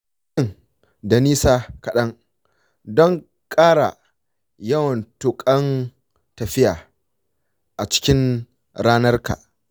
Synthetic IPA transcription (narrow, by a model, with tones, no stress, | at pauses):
ɪ˦˨ŋ | da˨niː˦saː˦kɐ˨ɗɐ˦ŋ | dɔ˦ŋ | kʼaː˦ɽa̰˨ | jɐ˦wɐ˨ntʊ˦kʼɐ˦n | tɐ˨ɸɪ˦ja̰ː˨ | ʔa˨t͡ʃɪ̥˦kʲɪ˦n | ɾaː˦nɐ˦rka̰ː˨